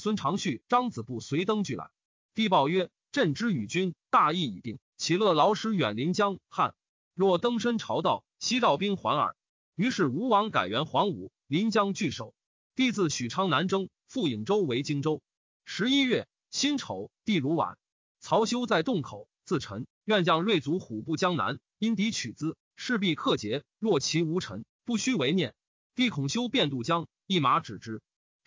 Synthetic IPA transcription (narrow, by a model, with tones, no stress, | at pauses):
swə˥nʈ͡ʂʰɑ˧˥ŋɕy˥˩ʈ͡ʂɑ˥ŋt͡sɹ̩˨˩pu˥˩swe˧˥ɪt̪ɤ˥ŋt͡ɕy˥˩la̰˧˥ɪ | t̪i˥˧pɑ˥˧ʊɥɛ˥ | ʈ͡ʂə˥˩nʈ͡ʂɻ̩˥y˨˩t͡ɕy˥nt̪a˥˧i˥˩i˨˩t̪i˥˩ŋ | t͡ɕʰi˨˥˩lɤ˥˩lɑ˧˥ʊʂɻ̩˧˥ɥɛ̰˨˩nli˧˥nt͡ɕjɑ˥ŋxa̰˥˩n | ɻwɔ˥˩t̪ɤ˥ŋʂə˥nʈ͡ʂʰɑ˧˥ʊt̪ɑ˥˩ʊɕi˥t̪ɑ˥˩ʊpi˥ŋxwa̰˧˥nə̰˞˨˩˦ | y˧˥ʂɻ̩˥˩u˧˥wɑ˧˥ŋka̰˨˩ɪɥɛ˧˥nxwɑ˧˥ŋu˨˩˦ | li˧˥nt͡ɕjɑ˥ŋt͡ɕy˥˩ʂo˨˩˦ʊ | t̪i˥˧t͡sɹ̩˥˩ɕy˨˩ʈ͡ʂʰɑ˥ŋna˧˥nʈ͡ʂɤ˥ŋ | fu˥˩i˨˩ŋʈ͡ʂo˥ʊwe˧˥ɪt͡ɕi˥ŋʈ͡ʂo˥ʊ | ʂɻ̩˧˥i˥ɥɛ˥˩ | ɕi˥nʈ͡ʂʰo˨˩˦ʊt̪i˥˩ɻu˧˥wa̰˨˩˦n | t͡sʰɑ˧˥ʊɕjo˥ʊt͡sa˥˧ɪt̪ʊ˥˩ŋkʰo˨˩˦ʊt͡sɹ̩˥˩ʈ͡ʂʰɤ˧˥ŋ | ɥɛ˥˧nt͡ɕjɑ˥˧ŋɻwe˥˩ɪt͡su˧˥xu˨˩pu˥˩t͡ɕjɑ˥ŋna̰˧˥n | i˥nt̪̬i˧˥t͡ɕʰy˨˩t͡sɹ̩˥ | ʂɻ̩˥˧p̬i˥˧kʰɤ˥˩t͡ɕjɛ˧˥ | lwɔ˥˩t͡ɕʰi˧˥u˧˥ʈ͡ʂʰɤ̰˧˥ŋ | pu˥˩ɕy˥we˧˥ɪnjɛ˥˩n | t̪i˥˩kʰʊ˨˩ŋɕjo˥ʊpjɛ˥˧nt̪u˥˩t͡ɕjɑ˥ŋ | i˥˩ma˧˥ʈ͡ʂɻ̩˨˩ʈ͡ʂɻ̩˧˥